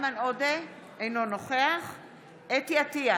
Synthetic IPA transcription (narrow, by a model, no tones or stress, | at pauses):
manode | ejnonoχeaχ | et̪iat̪ia